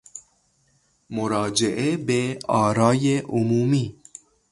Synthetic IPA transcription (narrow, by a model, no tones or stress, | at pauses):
moɾɑːd͡ʒeʔebeɑːɾɑːjeʔʊmuːmiː